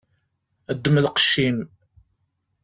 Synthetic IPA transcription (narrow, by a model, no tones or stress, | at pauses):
əd̪ːəməlqə̥ʃːim